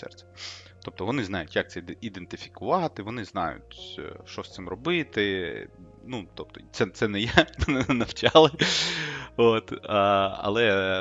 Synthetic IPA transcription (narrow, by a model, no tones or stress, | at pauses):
sɛ̰rt͡s̪ʲɛ̥t̪ɔp̚t̪ɔʋɔnɪznɑjʊtʲjɐk̚t̪sɛid̪ent̪ɪfʲi̥kʊʋɑt̪ɪʋɔnɪznɑ̰jʊ̰tʲʃt͡ʃɔst̪sɪmrɔbɪt̪ɪ | nut̪ɔp̚t̪ɔ̥t̪sɛt̪sɛnɛjɛnɐwt͡ʃɑlˠɪ | ot̪ː | ɐ̰lˠɛ